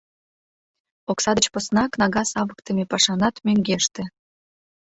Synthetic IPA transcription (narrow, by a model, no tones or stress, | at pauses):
oksɑd̪ət͡ɕposnɑknɑɣɑsɑβəkt̪ə̆mepɑʃɑnɑt̪møŋɡeʃt̪ĕ